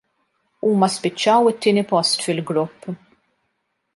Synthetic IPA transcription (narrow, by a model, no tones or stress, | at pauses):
uːmɐspɪt͡ʃːɐwɪt̪ːɪːnipɔst̪fɪlɡɾʊpː